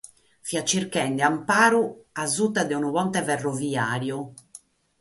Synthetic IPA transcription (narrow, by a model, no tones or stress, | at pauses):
fiat͡ʃːiɾkɛnd̪ɛampaːɾuazut̪ːad̪ɛunuβɔnt̪ɛvɛrːɔviaːɾju